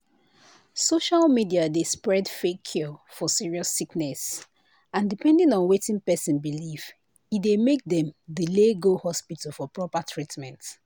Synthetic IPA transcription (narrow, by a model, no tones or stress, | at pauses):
soʃalˠmidiadespɹɛdfekʰːjɔfɔsiɹiɔsiknɛs | ãndipɛ̃ndĩnɔ̃nwetɪ̃ŋpɛsĩnbiliv | idemek̚dɛ̃mdileɡohɔspital̩ˠfɔpɹɔpatʰɹitmɛ̃nt